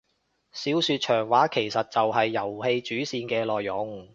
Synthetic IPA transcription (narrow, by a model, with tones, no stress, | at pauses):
siː˨˥wsyː˧t̚t͡ʃʰœː˨˩ŋwaː˨˥kʰe˨˩jsɐ˨t̚t͡sɐ˨wɦɐ˨jːɐ˨˩whe˧jt͡ʃyː˨˥siː˧nkɛː˧lɔː˨jːʊ˨˥ŋ